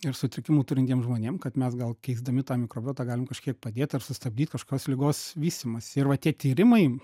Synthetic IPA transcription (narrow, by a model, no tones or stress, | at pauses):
ɪrsʊt̪ʲɾʲɪkʲɪmuːt̪ʊɾʲɪnt̪ʲiɛmʒmoːnʲeːmkɐt̪mʲɛsɡɐlˠkʲɛɪzd̪ɐmʲɪt̪ɑːmʲɪkɾoːbʲoːt̪ɑːɡɑːlʲɪmkɐʃʲkʲiɛk̚pɐd̪ʲeːt̪ɐrsʊst̪ɐb̚ʲd̪ʲiːt̪ʲkɐʃko̥ːkʲoːslʲɪɡoːsʋʲiːsʲt̪ʲɪmɐsʲɪrʋɐt̪ʲiɛt̪ʲiːɾʲɪmɐɪ